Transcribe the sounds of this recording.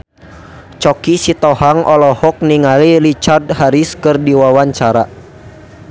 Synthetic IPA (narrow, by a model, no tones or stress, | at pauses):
t͡ʃɔkisit̪ɔhaŋʔɔlɔhɔk̚niŋalilit͡ʃardhaɾiskɨrdiwawaɲt͡ʃaɾa